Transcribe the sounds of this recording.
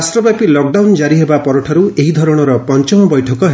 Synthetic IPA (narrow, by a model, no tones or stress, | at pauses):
sʈɾɔbjapilɔk̚ɖawnd͡ʒaɾiɦebapɔɾɔʈʰaɾueɦid̪ʱɔɾɔɽ̃ɔɾɔpɔnt͡ʃɔmɔbɔjʈʰɔkɔɦ